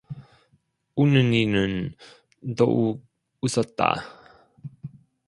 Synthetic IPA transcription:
unəninən | d̪oʔu | usət̪a̰

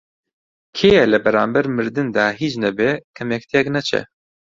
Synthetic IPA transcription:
kʰeːjɛlɨbɛɾaːmbɛɾmɨɾd̪ɨnd̪ɑːɦiːt͡ʃnɛbɛkʰɛmɛk̚t̪ʰijɛknɛt͡ʃʰɛ̰

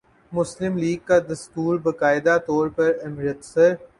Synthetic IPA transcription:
mʊslɪmliːɡ̚kad̪ɐskuːlbɐkaːɪd̪at̪ɔːɾpɐɾɪmɾət̪sɐɾ

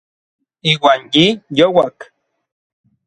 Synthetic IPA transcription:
iːwanjijowak

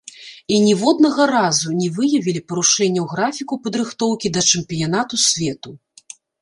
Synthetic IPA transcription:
inʲɛvɔd̪̚nɐɣɐɾazunʲɛvɨjɐvʲilʲipɐɾuʂɛnʲːɐwɣɾafʲikupɐd̪ɾɨxt̪ɔwkʲid̪ɐt͡ʂɨmpʲijanat̪usʲvʲɛt̪u

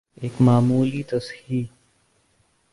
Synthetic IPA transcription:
eːkmaːmuːliːt̪ɐshiː

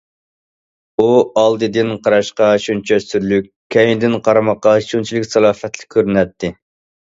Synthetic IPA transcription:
uɑlˠd̪ɨd̪ɪnqʰɑɾɑʃqɑʃunt͡ʃʰɛsyɾlykʲ | kʰʲːɛjind̪ɪnqʰɑɾɨmɑqːɑʃunt͡ʃʰilɪkʲsɑlˠɑːfɛt̪lɪ̥kʲʰːøɾnɛt̪ʰːɪ

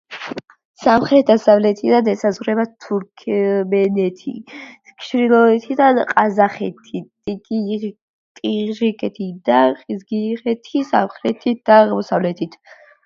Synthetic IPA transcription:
samχɾɛt̪̚ʰd̪asavlɛt̪ʰid̪anɛsazʁɾɛbat̪ʰuɾkʰmɛnɛt̪ʰḭ | kʰʃɾilˠɔɛt̪ʰid̪anqʼazaχɛt̪ʰit̪ʼikʼi | t̪ʼiʁʒikʼɛt̪ʰid̪aqʼizɡiʁɛt̪ʰisa̰mχɾɛt̪ʰit̪̚d̪̥aʁmɔsavlɛt̪ʰit̪ʰ

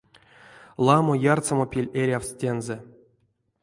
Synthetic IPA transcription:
lˠɑmojart̪t͡samopʲilʲeɾʲawstʲenze

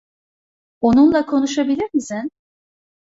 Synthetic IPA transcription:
onunlˠakʰo̞nuʃabilʲiɾmisin

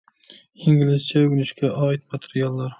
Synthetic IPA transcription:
ɪŋɡʲɪlɪzt͡ʃʰaʊɡnɪʃkʲʰaʔɒːɪt̪̚mat̪ʰe̥ɾijalˠːaɾ

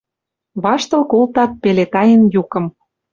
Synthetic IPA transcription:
βɑʃt̪ɤ̆lkolt̪ɑt̪̚pelet̪ɑjə̆njukɤ̆m

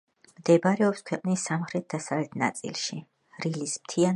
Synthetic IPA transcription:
md̪ɛbɾɛɔpskʰwɛqʼnisːamχɾɛt̪̚d̪asavlɛt̪ʰna̰t̪sʼḭlˠʃi | ɾilismt̪ʰia

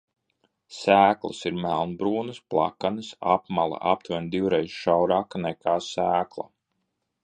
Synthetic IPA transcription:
sæːklˠɨ̰siɾmælˠnbɾuːnɨsplˠa̰kanɨsapmalˠa̰ʔap̚t̪vand̪iwɾɛjzʃawɾaːkanɛkʰaːsæːklˠa̰

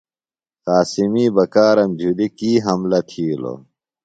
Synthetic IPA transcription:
qaːsimiːbɐkaːɾɐmbʱulikiːɦɐmlɐt̪ʰiːlo̰

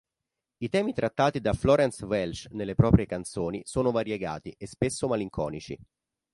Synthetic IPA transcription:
it̪ɛːmit̪ɾʔat̪ːaːt̪id̪aflɔːɾɛnsvɛlt͡ʃnelːepɾɔːpɾjekant̪soːnisoːnovaɾjeɡa̰ːt̪iʔespesːomaliŋkʰɔːnit͡ʃḭ

